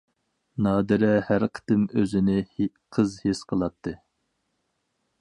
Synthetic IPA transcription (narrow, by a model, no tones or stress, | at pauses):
nɑːd̪ɨɾɛhæɾqʰə̥t̪ɨmøzɪnɪ | qʰəzhisqʰəlˠɑt̪ʰːɨ